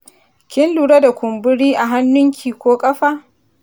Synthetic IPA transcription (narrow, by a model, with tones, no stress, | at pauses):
kʲɪ˦nluː˨ɽa˦da˨kʷʊ˨mbʊ˦ɽiː˦ʔa˨ɦa˦nːʊ˦ŋkʲʰiː˨kʷoː˦kʼɐ˦ɸaː˦